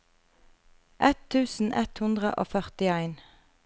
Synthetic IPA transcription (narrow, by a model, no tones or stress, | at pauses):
ʔɛt̪ʰʉːsn̩ʔɛt̪hʉnd̪ʁə̰ʔo̰ːfœʁt̪ɪæɪn